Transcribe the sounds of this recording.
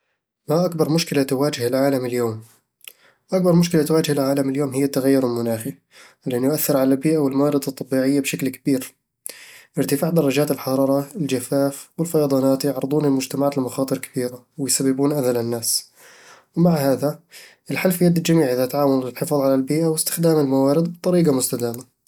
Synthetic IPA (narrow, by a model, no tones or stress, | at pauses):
maʔak̚bɑɾˤmʊʃkɪlat̪ʊwaːd͡ʒɪhɪlʕaːlamɪljoːm | ʔak̚bɑɾˤmʊʃkɪlat̪waːd͡ʒɪhɪlʕaːlamɪljoːmɦɪjːat̪ːaɣajːʊɾlmʊnaːxi | lɪʔɪnjʊʔaθːɪɾʕalalbiːʔawɪlmawɑːɾˤɪd̪ˤɑt̪ˤːɑbiːʕɪjːabʃaklkabiːɾ | ʔɪɾt̪ɪfaːʕd̪ɑrˤːɑd͡ʒaːt̪ɪlħɑɾˤɑːɾˤɑɪld͡ʒafaːfwɪlfɑjɑd̪ˤɑːnaːt̪jɑʕɾɨd̪ˤuːnɪlmʊd͡ʒt̪amaʕaːt̪ɪlmaxɑːt̪ˤɨɾkḁb̥iːɾa | wɪjsabːɪbuːnʔaðalɪnːaːs | wmaʕɦaːðaʔɪlħalfijːad̪ːɪld͡ʒamiːʕʔɪðat̪ʕaːwanɪlħɪfɑðˤʕalalbiːʔawɪst̪ɪ̥xd̪aːmɪlmawaːɾɪd̪bɨt̪ˤːɑɾiːɡamʊst̪ad̪aːma